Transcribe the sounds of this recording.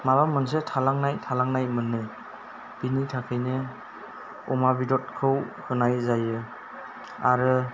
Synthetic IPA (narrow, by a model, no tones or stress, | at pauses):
maβamɯns̬etʰalaŋnajtʰalaŋnajmɯnːɯ | b̥initʰakʰɯjnɯ | ɔmabidɔt̚kʰɯwhʰɯnajzajɯ | aɾɯ